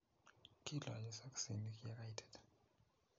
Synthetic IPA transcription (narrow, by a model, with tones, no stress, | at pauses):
kʰi˦ɮa̰˨ji˨sa˦ksi˨ni˨kja˦ka˦itʰɛ̥d